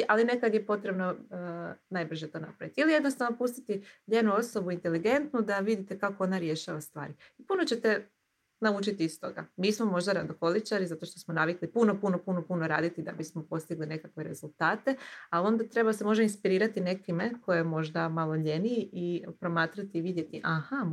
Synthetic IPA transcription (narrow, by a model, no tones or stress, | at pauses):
ʔaline̞kad̪jepo̞t̪ɾe̞bno̞ | najbr̩ʒe̞t̪o̞ːnapɾaʋit̪iilije̞d̪nost̪aʋno̞pust̪it̪iʎe̞nuo̞so̞buint̪e̞liɡe̞nt̪nud̪aʋid̪it̪e̞kako̞onaɾje̞ʃaʋast̪ʋa̰ːɾiipuno̞t͡ɕe̞t̪e̞ | naut͡ʃit̪iist̪o̞̰ɡa̰miːsmo̞mo̞ʒd̪aɾand̪oxo̞lit͡ʃaɾizat̪o̞ʃt̪o̞smo̞naʋiklipuno̞punopuno̞puno̞ɾa̰ːd̪it̪id̪a̰bismo̞po̞st̪iɡline̞kakʋe̞ɾe̞̰zulˠt̪aːt̪ealio̞nd̪at̪ɾe̞base̞mo̞ʒd̪ainspiɾiːɾat̪ine̞kimeko̞jemo̞ʒd̪amalˠo̞ʎe̞nijʔipɾo̞maːt̪ɾat̪iːʋid̪je̞t̪iʔaxa